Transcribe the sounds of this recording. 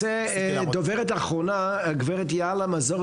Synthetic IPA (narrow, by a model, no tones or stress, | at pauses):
ɛ | dovɛʁɛtaχʁona | ɡvɛʁɛtjalamazɔ